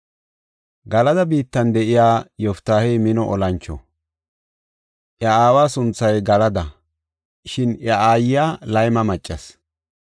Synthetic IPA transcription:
ɡɐlɐd̪ɐbiːt̪ːɐnd̪ɛʔɪjaːjɔft̪ːaːhemɪnɔʔɔlɐnt͡ʃːɔ̰ | ʔjɐaːwaːsʊnt͡sːɐjɡɐlɐd̪ɐ | ʃɪnɐaːjɪjaːlɐjmɐmɐt͡ʃʼːɐs

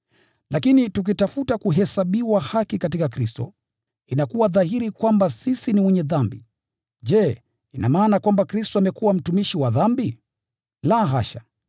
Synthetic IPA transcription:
lʔakinituk̬itafutakuɦɛsaɓiwahakikatikakɾistɔ̰ | inakuwaðahiɾikwambasisiniwɛɲɛðambi | ʄɛ | ina̰maːnakwambakɾistɔamɛkuwam̩tumiʃiwaðambi | laɦaʃa

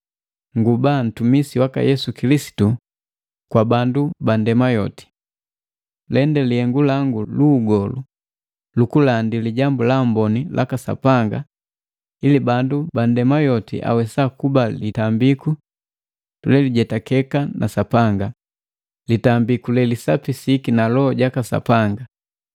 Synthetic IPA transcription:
ŋɡuban̩tumisiwaka̰jɛsukilisi̥tu | kwabandubandɛmajɔti̥ | lɛndɛliɛŋɡulaŋɡuluːɡɔlu | lukulandiliɟambulambɔnilʔa̰kasa̰paŋɡa̰ | ilibandubandɛmajɔtḭʔa̰wɛsakubalitambiku | tulɛliɟɛtakɛkanʔa̰sapaŋɡa | litambikulɛlisapisikinalɔɟakasa̰paŋɡa

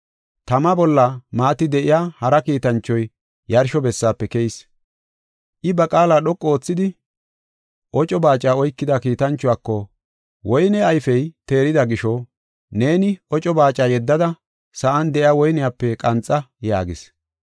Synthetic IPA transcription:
t̪ɐmɐbɔlːɐmaːt̪ɪd̪ɛʔɪjaːhɐɾɐkiːt̪ɐnt͡ʃːɔj | jɐɾʃɔbɛsːaːpːɛkɛjɪs | ʔɪbɐkʼaːlaːɗɔkʼːɔoːt͡sːɪd̪ɪ | ʔɔt͡ʃʼɔbaːt͡ʃʼːaːɔjkːɪd̪ɐkiːt̪ɐnt͡ʃːʊwaːkːɔ | wɔjnɛɐjfɛjt̪e̞ːɾɪd̪ɐɡɪʃɔ | ne̞ːnɪɔt͡ʃʼɔbaːt͡ʃʼːaːjɛd̪ːɐd̪ɐ | sɐʔɐnd̪ɛʔɪjaːwɔjnɪjaːpːɛkʼɐnt͡sʼːɐja̰ːɡɪs

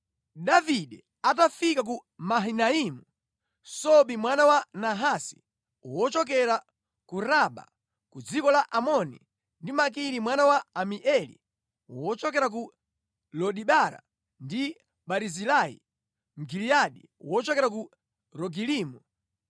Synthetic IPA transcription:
ɗaviɗɛ | at̬afikak̬umaɦinaimu | sɔɓimwanawanaɦasi̥̰ | wɔt͡ʃɔk̬ɛɾa | kuɾaɓa̰ | kud͡zikɔlaʔamɔnḭ | ndimak̬iɾimwanawaːmiʔɛlḭ | wɔt͡ʃɔkɛɾak̬u | lɔɗiɓaɾa̰ | ndi | ɓaɾizilaḭ | ŋɡilijaɗi | wɔt͡ʃɔkɛɾak̬u | ɾɔɡiliːmu

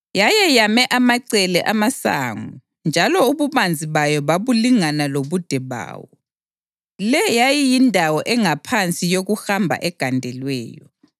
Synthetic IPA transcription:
jajɛjamɛʔamaǀɛlɛʔamasa̰ːŋu | nd͡ʒʱalɔuβumand͡zʱiβajɔβaβuliŋanaloβud̥ʱɛβa̰ːwɔ | lɛjajijindʱawɔʔɛŋapʰant͡sʼijoɣuxambʱa̰ʔɛɡ̥ʱandʱɛlwɛ̰ːjɔ̰

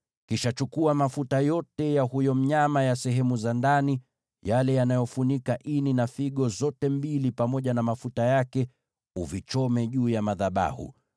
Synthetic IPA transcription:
kiʃat͡ʃukuamafutajɔtɛjahujɔm̩ɲamajasɛɦɛmuzandani | jalɛjanajɔfunikaʔininafiɠɔzɔtɛmbilipamɔʄanamafutajakɛ | uvit͡ʃɔmɛʄuːjamaðaɓa̰hṵ

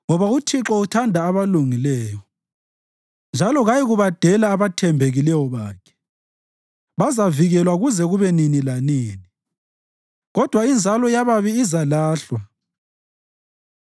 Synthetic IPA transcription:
ŋɔβautʰiǁɔutʰandʱaːβaluŋilɛːjɔ | nd͡ʒʱalɔɣajiɣuβad̥ʱɛlaːβatʰɛmbʱeɣilɛwɔβaːkʰɛ̥ | βazaviɣɛlwaɣuzɛɣuβɛninilaniːni | ɣɔd̥ʱwaind͡zʱalɔjaβaβiːzalaːɬwa

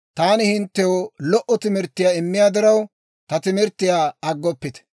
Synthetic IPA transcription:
t̪aːnɪhɪnt̪ːɛjɔlɔʔːɔt̪ɪmɪɾt̪ːɪjaːɪmːɪjaːd̪ɪɾɐw | t̪ɐt̪ɪmɪɾt̪ːɪjaːɐɡːɔpːɪt̪ɛ̥

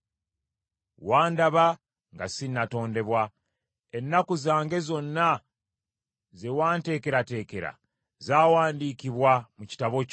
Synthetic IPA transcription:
waːndaβa | ŋɡasinːato̞ːnde̞βwa | enːakuzaːŋɡe̞zo̞nːa | ze̞waːnte̞ːke̞ɾate̞ːke̞ɾa̰ | zaːwaːndiːkiβwamuci̥taβo̞

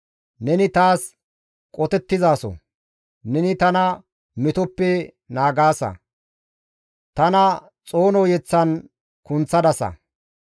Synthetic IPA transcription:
nɛnɪt̪aːs | kʼɔt̪ɛt̪ːɪzaːsɔ̰ | nɛnɪt̪ɐnɐ | mɪt̪ɔpːɛ | naːɡaːsɐ̰ | t̪ɐnɐ | t͡sʼo̞ːnɔːjɛt͡sːɐn | kʊnt͡sːɐd̪ɐsɐ̰

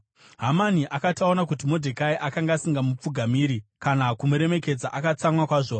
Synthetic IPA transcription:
ɦamaniʔakataonak̬utimodʱekaiʔakaŋɡasiŋɡamup͡fuɡʱamiːɾikanakumuɾe̞me̞ke̞d͡zaʔakat͡samwakwaːʐo

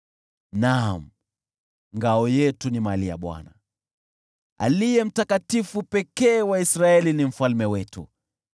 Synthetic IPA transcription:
nam̩ | ŋɡaɔjɛtunimalia̰ɓwa̰na̰ | a̰lijɛm̩takatifupɛkɛːwaisɾaɛlinim̩falmɛwɛtṵ

